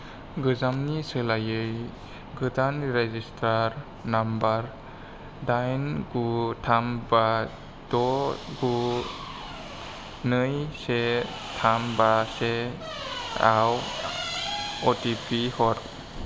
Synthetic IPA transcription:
ɡɯzamnisɯlajɯj | ɡɯtanɾezistʰaɾ | nambaɾ | dajnɡutʰamba | d̥ɔɡu | nɯjse | tʰambase | aw | ɔtipihɔɾ

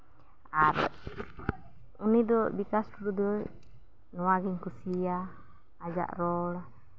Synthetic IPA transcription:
aɾ̰ | unidɔbikasdudɔd | nuwaɡiŋkusiaː | d͡ʒa̰ʔrɔla

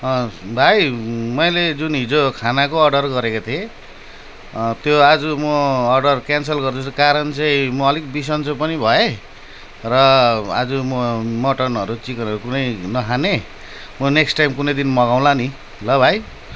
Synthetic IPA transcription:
bʱajmʌjled͡zunɦid͡zokʰanakoʌrɖʌrɡʌɾekot̪ʰie | t̪joad͡zumʌːrɖʌrkjansʌlɡʌrd̪ʰusʰukaɾʌnt͡sʌĩmʌːlikbis̬ʌnt͡sopʌnibʱʌe | rʌʌ̰d͡zumʌmʌʈʌnʌɾut͡sikʌnʌɾukunʌjnʌkʰane | mʌneksʈajmkunʌjd̪inmʌɣaw̃lani | lʌbʱaj

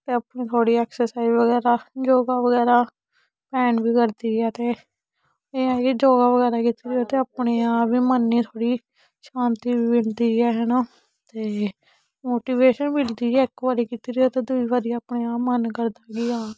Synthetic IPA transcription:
t̪eːəpɳẽːt̪ʰoːɽiːɛːksəɾsaːizʋəɡɛːɾaːd͡ʒoːɡaːʋəɡɛːɾaː | pɛːnbiːkəɾd̪iːaːt̪eː | eːaːkid͡ʒoːɡaːʋəɡɛːɾaːkit̪iɾioːt̪eːəpɳeːaːbiːmənːiːt̪ʰoːɽiː | ʃãːnt̪iːbiːbɪld̪iːɛːɦənoː | t̪eː | moːʈiːʋeːʃənbɪld̪iːɡɛːɪkʋaːɾiːkit̪iɾioːt̪eːd̪ʊiːʋaːɾiːaːpɳeːaːpmənkəɾd̪aːɡiːaː

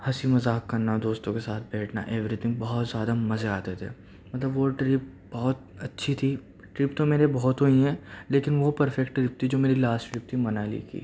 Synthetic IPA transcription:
hɐsimɐzaːkːɐɾnad̪oːst̪õkesaːt̪̚ʰbɛːʈʰna̰ʔeːʋɾit̪ʰɪ̃ŋɡ̚bɐɦɔt̪zjaːd̪amɐzeaːt̪et̪ʰḛː | mɐt̪ləbʋoʈɾɪp̚ | bɐɦʊt̪̚ɐtːʃʰit̪ʰi | ʈɾɪpt̪omeːɾebɐɦɔt̪ɦoĩɦɛleːkɪnʋopɐɾfɛkʈʈɾɪp̚t̪ʰid͡ʒoːmeːɾilaːsʈʈɾɪp̚t̪ʰimɐnalḭkḭː

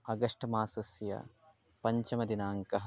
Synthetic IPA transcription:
ɐɡɐʂʈɐmaːsɐsjɐ̰ | pɐɲt͡ʃɐmɐd̪inaːŋkɐɦɐ

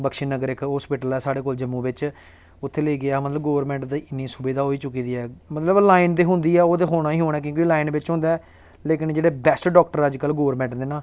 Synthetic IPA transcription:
bəkʃiːnəɡəɾɪkɦɔːspɪʈəlɛːsaːɽeːkoːld͡ʒəmːũːbɪt͡ʃ | ʊt̪ʰːeːləiːɡɪaːmət̪ləbɡoːʋəɾmɛ̃ːɳʈd̪iːɪnːiːsʊbeːd̪aːɦoːiːt͡ʃʊkːiːd̪iːɛːmət̪ləblaːɪnd̪eːɦʊ̃nd̪iːɛːoːd̪eːɦoːɽ̃aːĩːɦoːɽ̃ɛːk̬jõːkiːlaːɪnbɪt͡ʃɦʊ̃nd̪aː | leːkɪnd͡ʒeːɽeːbɛːsʈɖɔːkʈəɾəd͡ʒkəlɡoːɾmɛ̃ɳʈd̪eːnãː

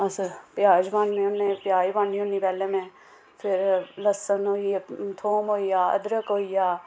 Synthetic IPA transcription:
ɐspjaːd͡ʒʋãːnmẽʊnːẽpjaːjbãːniɦõnipɛːlemẽ | pʰɪɾlɐsənɦoːiat̪ʰoːmɦoːijaːɐ̰d̪ɾəkɦoːijaː

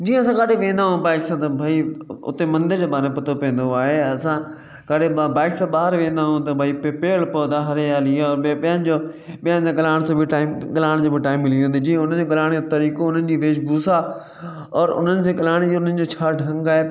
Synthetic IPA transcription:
d͡ʑiːɦə̃ɐsãkaːɖʱeʋẽːnd̪aːɦũbaːɪksãt̪ɐbʱaiʊ̰t̪emɐ̃nd̪ɪɾd͡ʑeːbaːɾemepɐt̪ʰopĩə̃n̆d̪oaːɦeɐsã | kaːɽebaːɪksãɓaːɦəɾʋẽːnd̪aɦũt̪̬ɐbʱaːipepeːɭpod̪aɦɐɾejaːliɔːɾɓɐjə̃nɪ̆d͡ʑo | ɓiə̃nɪsãɠɐlaːɪɽ̃soːbʱɪʈaːɪmɠɐlaːɪɽ̃d͡ʑobʱɪʈaːɪmːɪlijũːnd̪ed͡ʑĩːʊn̤ənd͡ʑoɠɐlaːɽ̃ed͡ʑot̪ɐɾiːkoʊn̤ənɪ̆d͡ʑiːʋeːʃbuːsa | ɔːɾʊ̰n̤ənɪ̆sʰeːɠɐlaːɽ̃ed͡ʑoʊn̤ənɪ̆d͡ʑoːt͡ɕʰaːɖʱɐ̃ŋɡaːɦe

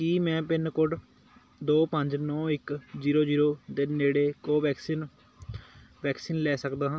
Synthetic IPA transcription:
kiːmɛ̃ːpɪnkʊɖ | d̪oːpəɲd͡ʒnɔ̃ːɪkziːɾoːd͡ʒiːɾoːd̪eːneːɽeːkoːʋɛːksiːn | ʋɛːksiːnlɛːsəkd̪aːɦãː

